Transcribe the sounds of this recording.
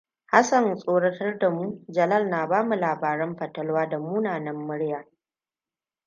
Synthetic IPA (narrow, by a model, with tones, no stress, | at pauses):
ha˦sɐ˨nsʼoː˦ɽɐ˦tɐ˦rda˨muː˦d͡ʒɐ˨lɐ˦˨lnaː˨baː˦mu˨laː˨baː˨ɾɐ˦mɸɐ˨tɐ˦lwaː˦da˨muː˦naː˨nɐ˦mːʊ˦ɽjaː˨